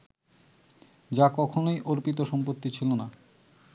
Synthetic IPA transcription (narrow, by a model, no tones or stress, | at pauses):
d͡ʑakɔkʰonojʔoɾpit̪̬oʃɔmpot̪ːit͡ɕʰilona